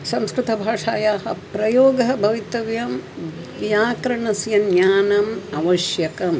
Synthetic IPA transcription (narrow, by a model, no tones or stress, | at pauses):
sɐ̃mskɾɨt̪ɐbʱaːʂaːjaːɦɐpɾɐjoːɡɐɦɐbʱɐʋit̪ɐʋjɐm | ʋjaːkɾɐɳɐsjɐnjaːnɐmɐʋɐʃjɐkɐm